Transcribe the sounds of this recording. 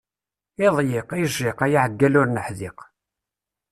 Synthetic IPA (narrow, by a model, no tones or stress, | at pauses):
ɪðˤjɪqiʒɪqæjiʕəɡːælʊɾnəħðɪq